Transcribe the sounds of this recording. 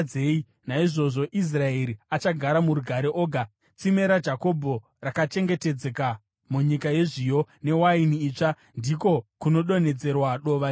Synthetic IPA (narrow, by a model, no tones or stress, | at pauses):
ei | naiʐo̞ʐo̞ʔis̬rae̞ɾiat͡ʃaɡʱaɾamuɾuɡʱaɾeʔoːɡʱa | t͡sime̞ɾad͡ʒako̞bʱo̞ | rakat͡ʃe̞ŋɡe̞ted͡zeka | muɲikaje̞ʐijo̞ne̞wainiːt͡ʂa | ndiko̞kuno̞ɗo̞ne̞d͡ze̞rwaɗo̞ʋa